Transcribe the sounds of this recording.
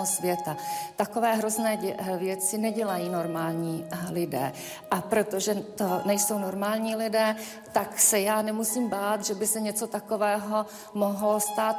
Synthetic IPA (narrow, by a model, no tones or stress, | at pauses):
osvjɛt̪at̪ako̞vɛːɦɾoznɛːɛvjɛt͡sɪnɛɟɛlajiːno̞ɾmaːlɲiːlɪdɛ̰ː | ʔapɾo̞t̪o̞ʒɛt̪onɛjso̞wno̞ɾmaːlɲiːlɪdɛː | t̪aksɛjaːnɛmusiːmbaːt̪ʒɛbɪsɛɲɛt͡so̞t̪akovɛːɦo̞ | mo̞ɦlost̪aːt̪